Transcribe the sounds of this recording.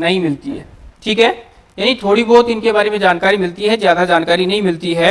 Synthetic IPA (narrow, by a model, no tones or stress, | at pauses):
nɐɦĩmɪlt̪iɦɛ̰ːʈʰiːkɦɛː | jaːnit̪ʰoːɽibɔːt̪ɪnkebaːɾemẽd͡ʒaːnkaːɾimɪlt̪iɦɛzjaːd̪ad͡ʒaːnkaːɾinɐɦĩmɪlt̪iɦɛ